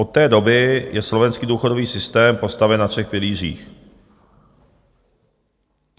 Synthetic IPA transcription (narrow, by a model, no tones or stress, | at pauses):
ot̪ːɛːdo̞bɪjɛslovɛnskiːduːxo̞do̞viːsɪst̪ɛːmpo̞st̪avɛnːafʂɛxpɪliːr̝ḭːx